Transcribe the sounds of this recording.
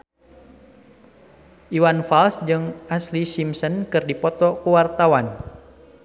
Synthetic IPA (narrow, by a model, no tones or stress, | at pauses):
ʔiwanfalsd͡ʒɨŋaslisimsənkɨrdipɔt̪ɔkuwart̪awan